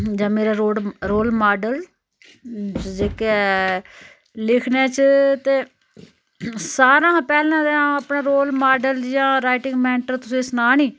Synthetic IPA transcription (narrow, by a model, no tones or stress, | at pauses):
d͡ʒãːmeːɾaːɾoːɖɾoːlmaːɖəl | d͡ʒeːkɛ | lɪkʰnẽːt͡ʃt̪eː | saːɾãːpɛːlãːd̪ãəpnaːɾoːlmaːɖəljãːɾaːɪʈɪ̃ŋɡmɛːɳʈəɾt̪ʊsĩːsnaːnĩː